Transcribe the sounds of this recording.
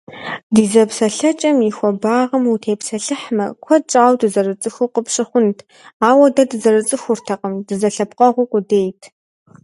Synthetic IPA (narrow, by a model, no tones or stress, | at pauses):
diːzɐpsɐɬɐt͡ʃʼɐmixʷɔbaːʁɐmutʰeːpsɐɬɨħmɐ̰kʷʰɔt͡ʃʼaːwdɨzɐrɨt͡sʼɨxuqəpʂɨχʷʊntʰ | aːwɐdɐdɨzɐrɨt͡sʼɨxʷʊrtʰɐqəmdɨzɐɬɐpqʼɐʁʷʊkʷʼʊdeːjtʰ